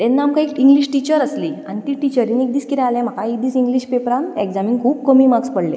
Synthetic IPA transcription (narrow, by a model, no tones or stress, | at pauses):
t̪ɛnːaamkaekĩŋɡliɕʈit͡ɕəɾəslianit̪iʈit͡ɕəɾĩnek̚d̪iːskit̪ɛalɛ̃m̤akaek̚d̪iːsiŋɡliːɕpepɾanekd͡zamiŋɡkʰuːb̚kəmiːmakspəɽlḛ